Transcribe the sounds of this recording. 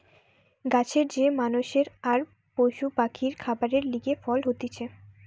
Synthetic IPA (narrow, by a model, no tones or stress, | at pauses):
ɡat͡ɕʰeɾd͡ʑemanuʃeɾaɾ | pojʃubakʰiɾkʰabaɾeɾliɡefɔlɦot̪it͡ɕʰe